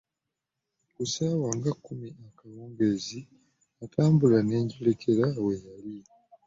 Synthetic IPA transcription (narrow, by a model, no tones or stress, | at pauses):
kusaːwaŋɡakːumiakaloːŋɡe̞zi | ataːmbulane̞ːɲɟele̞cʰe̞ɾawejali